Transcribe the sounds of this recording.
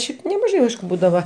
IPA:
ˈʃʲɛɪp nʲɛmɐˈʒɐɪ ˈɐɪʃkʊ ˈbuːdɐʋɐ

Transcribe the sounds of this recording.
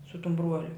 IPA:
sʊ tʊm ˈbruɔlʲʊ

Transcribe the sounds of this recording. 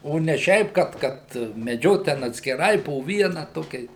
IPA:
ˈoː nʲɛ ˈʃʲɛɪp ˈkɐt ˈkɐt mʲɛˈd͡ʒʲoːt tʲɛn ɐtʲsʲkʲɪˈrɐɪ poː ˈʋʲiɛnɐ ˈtoːkʲɛɪs

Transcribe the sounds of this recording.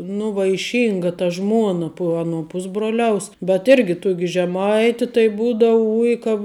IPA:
nʊ ʋɐɪˈʃʲiːŋɡɐ tɐ ˈʒmuɔnɐ pʊ ˈɑːˌnuɔ ˈpʊzbruɔlʲɛʊs bʲɛt ˈɪrʲɡʲɪ ˈtuɔkʲɪ ʒʲɛˈmɐɪtʲɪ tɐɪ ˈbuːdɐʋʊ ˈʊj kɐ

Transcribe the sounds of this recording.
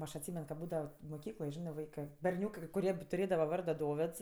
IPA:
ˈɐʃ ɐtʲˈsʲiːmʲɛn kɐ ˈbuːdɐʋoː moːˈkʲiːklˠoːj ˈʒʲɪnɜ ˈʋɐɪkɜ bʲɛrʲˈnʲuːkɜ kɐɪ kʊˈrʲiɛ tʊˈrʲeːdɐʋɐ ˈʋɐrdoː ˈdoːʋʲeːts

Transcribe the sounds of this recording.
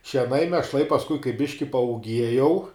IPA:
ʃʲiɛˈnɐɪ mʲiɛʃˈlˠɐɪ pɐsˈkʊɪ kɐɪ ˈbʲɪʃʲkʲɪ pɐuːˈɡʲiɛjɛʊ

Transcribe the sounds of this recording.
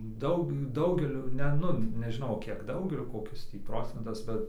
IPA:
ˈdɐʊk ˈdɐʊɡʲɛlʲʊɪ nʲɛ ˈnʊ nʲɛʒʲɪˈnɐʊ ˈkʲiɛk ˈdɐʊɡʲɛlʲʊɪ koːˈkʲɪs ˈtʲiː ˈproːt͡sʲɛntɐs ˈbʲɛt

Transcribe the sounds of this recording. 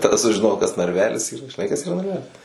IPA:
ˈtɑːdɐ sʊʒʲɪˈnoːjɛʊ kɐs nɐrʲˈʋʲæːlʲɪs ˈiːrɐ ʒʲɪˈnɐɪ kɐs iːˈrɐ nɐrʲˈʋʲæːlʲɪs

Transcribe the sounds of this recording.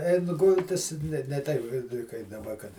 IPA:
ˈɛɪn ˈɡʊlʲtʲɪs nʲɛ nʲɛ ˈtʲɛɪp ˈkɐɪ kɐɪp dɐˈbɐ kɐt

